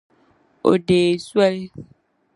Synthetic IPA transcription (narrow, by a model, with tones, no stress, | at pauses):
o̰˨ɖe˨su˦a˦ɖe˦